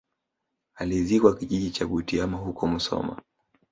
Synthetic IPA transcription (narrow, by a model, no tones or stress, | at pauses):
alizikwakiʄiʄit͡ʃaɡutiamaɦukɔm̩sɔ̰ma̰